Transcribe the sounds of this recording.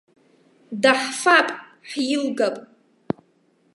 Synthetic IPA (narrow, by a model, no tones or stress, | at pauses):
daħfapʼ | ħjɪlɡapʼ